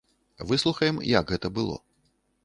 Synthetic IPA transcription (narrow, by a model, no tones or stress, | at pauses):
vɨslˠuxɐjɛmjɐ̰ɡɣɛt̪ɐbɨlˠɔ̰